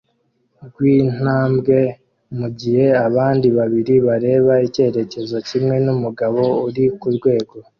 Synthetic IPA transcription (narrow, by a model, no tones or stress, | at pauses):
ɡwiːn̥aːmbɡe̞ | muɟihe̞aβaːndiβaβiɾiβaɾe̞ːβaice̞ːɾe̞ce̞zo̞cimŋe̞numuɡaβo̞uɾikuɾɡwe̞ːɡo̞